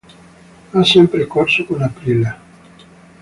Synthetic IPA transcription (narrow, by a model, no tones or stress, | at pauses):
asɛmpɾekorsokunapɾile